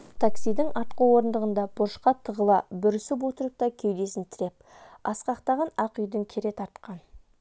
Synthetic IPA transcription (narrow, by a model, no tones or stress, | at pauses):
t̪ʰaksijd̪ɪŋɑɾt̪quwo̞ɾənd̪əʁənd̪ɑb̥ʊɾʃqɑt̪ʰəʁəlˠɑbʏɾsɪp̬wot̪əɾəp̚t̪ɑkʲʰewd̪e̞sɪnt̪ʰɪɾe̞p̚ | ɑsqɑqt̪ɑʁɑnɑqʏjd̪ɪŋkʲʰeɾe̞t̪ʰɑɾt̪qɑn